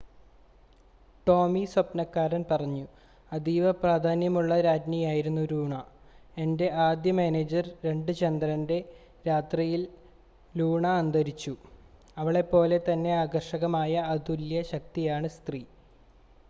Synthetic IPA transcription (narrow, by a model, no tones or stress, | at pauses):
ʈo̞ːmiswɐpnɐkːaːɾɐnpɐrɐɲːu | ɐd̪iːʋɐpraːd̪ʱaːnjɐmuɭːɐɾaːdnijaːjiɾunːuɾuːɳɐ | e̞nde̞ʔaːd̪jɐmeːneːd͡ʑɐrɾe̞ɳɖɨt͡ɕɐnd̪ɾɐnde̞ | ɾaːt̪rijil | luːɳɐːnd̪ɐɾit͡ɕːu | ɐʋiɭe̞pːo̞ːle̞t̪ɐnːe̞aːɡɐrʂɐɣɐmaːjɐːd̪uljɐɕɐk̚t̪ijaːɳɨst̪riː